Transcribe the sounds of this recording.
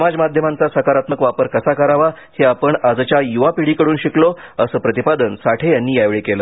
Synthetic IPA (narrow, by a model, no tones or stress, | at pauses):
səmad͡zmad̪ʱjəmant͡sasəkaɾat̪məkʋapəɾkəsakəɾaʋa | heapəɳad͡zt͡ɕjajuʋapiɽiːkəɽuːnɕiklo | əsəːpɾət̪ipad̪ənsaʈʰejanːiːjajʋɭekeləː